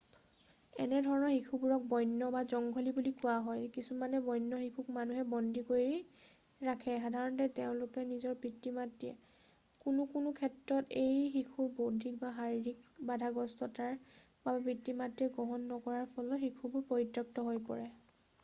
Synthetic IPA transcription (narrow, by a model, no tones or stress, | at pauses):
ɛ̰nɛdʱɔɹɔnɔɹxikʰubuɹɔk̚bɔjnːɔbazɔŋɡʱɔlibulikuwaɦɔjkisumanɛbɔjnːɔxikʰuk̚manuɦɛbɔndʱikoɹi | ɹakʰɛxadʱaɹɔntɛteʊ̃lʊkɛnizɔɹpɹitːimatːiɛ̰ | kunʊkʊnʊkʰɛtɹɔtejxikʰubodʱik̚baɦaɹidik̚badʱaɡɔstɔtaɹ | bapɹitːimatiɛɡɔɦɔnːɔkɔɹaɹpʰɔlɔxikʰubuɹpɔɹitːɔk̚tɔɦojpɔ̰ɹɛ